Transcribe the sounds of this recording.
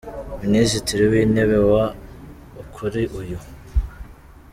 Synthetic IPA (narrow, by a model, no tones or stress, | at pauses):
minizitʰiɾiwine̞βewa | ukʰuɾiʔuju